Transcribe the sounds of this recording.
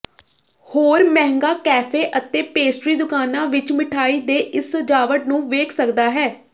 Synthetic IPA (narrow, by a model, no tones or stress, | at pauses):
hoːɾmɛ̃ːɦŋɡaːkɛːpʰeːʔət̪eːpeːsʈɾiːd̪ʊkaːnãːʋɪt͡ʃmɪʈʰaːiːd̪eːʔɪsəd͡ʒaːʋəʈ̚nũːʋeːkʰsəkd̪aːɦɛː